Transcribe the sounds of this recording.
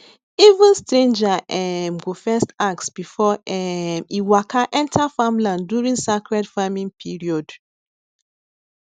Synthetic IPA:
ivũnstɹẽnd͡ʒaʔɛmɡofɛstak̚tsb̥ifɔɛmiwakʰaʔɛ̃ntʰafãmlãndjuɹĩŋsakɹɛdfamĩŋpʰiɹiɔd

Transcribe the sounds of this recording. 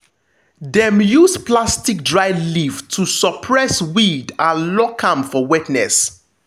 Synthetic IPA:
dɛ̃mjusplastik̚dɹaɪliftʰusɔpʰɹɛswidãlɔkʰãmfɔwɛtnɛs

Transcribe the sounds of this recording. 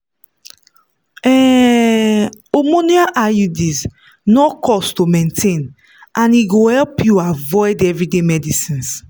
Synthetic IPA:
ɛ | omoniaʔajudis | nɔkʰɔstumɛ̃ntʰẽn | ʔãniɡohɛlpjuavɔɪdɛvɹidemɛdisĩns

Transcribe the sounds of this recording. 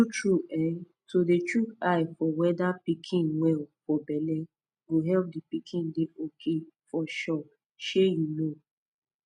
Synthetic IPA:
ut͡ʃɹuɛn | todet͡ʃuaɪfɔwɛdapikʰĩnwɛlfɔbɛlɛ̃ | ɡoɦɛlp̚dipikʰĩndeʔokʰefɔʃɔp̚ | ʃejuno

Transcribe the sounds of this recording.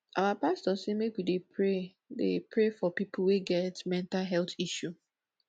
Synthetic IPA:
ʔawapastɔsemekwidepʰɹe | dḛpɹefɔpipul̩weɡɛtmɛ̃ntalɦɛltiʃu

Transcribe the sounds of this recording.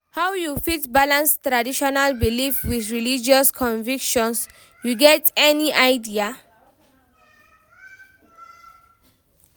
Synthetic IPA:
hawjufitbalãnstɾadiʃɔnalbilifwiθɹilid͡ʒɔskʰɔ̃nvikʃɔ̃ns | juɡɛtɛniʔajdia

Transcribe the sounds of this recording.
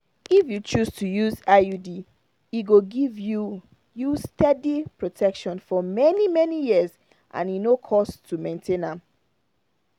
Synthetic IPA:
ifjut͡ʃustʰujuzajudi | iɡoɡivju | justʰɛdipɹɔtʰɛkʃɔ̃nfɔmɛnimɛnijiəz | ʔã̰ninokʰɔstʰumẽntʰẽnãm

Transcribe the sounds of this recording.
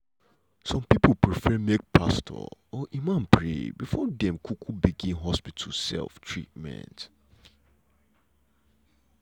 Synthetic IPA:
sɔ̃mpipʰəpʰɹifɛmek̚pʰa̰stʰɔ̰ɔʔimãnpʰɹḛbifɔdɛ̃mkʰukʰubiɡĩnɦɔspitʰusɛ̰lftʰɹit̚mɛ̰̃nt

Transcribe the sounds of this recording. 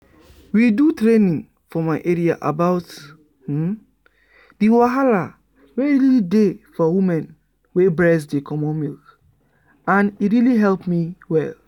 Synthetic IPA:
widutɹenĩn | fɔmaɪʔeɹia̰ʔabaʊt | h̩ | diwaɦala | ɹeɹilidefɔwimɛ̃n | webɹɛsdekʰɔmɔ̃nmilk | ãniɹiliɦɛlpmiwɛ̰l

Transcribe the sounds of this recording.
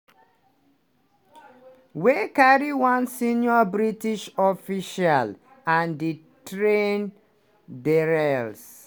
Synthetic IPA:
wekaɹiwãnsĩnjɔbɹitiʃɔfiʃal | ãndi | tɹẽn | dɛɹɛls

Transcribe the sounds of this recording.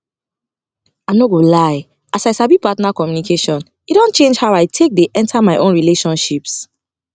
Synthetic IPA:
anoɡolaɪ | asaɪsabipatnakɔmjunikʰeʃɔ̃n | idõnt͡ʃẽnd͡ʒhaʊaɪtʰek̚deʔɛ̃ntʰamaɪʔõnɹileʃɔ̃nʃips

